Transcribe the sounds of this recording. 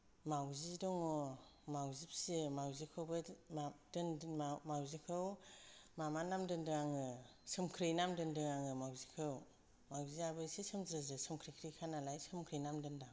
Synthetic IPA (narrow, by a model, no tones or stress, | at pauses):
mawzidɔŋɔmawzip̚semawzikʰɯwbɯadɯnmawzikʰɯwmamanamdɯndɯaŋɯ | sɯmkʰɾijnamdɯndɯŋaŋɯmawzikʰɯw | mawziabɯsisɯmzɾɯzɯsɯmkʰɾijkʰɾijkʰanalajsɯmkʰɾɯjnamdɯndaŋ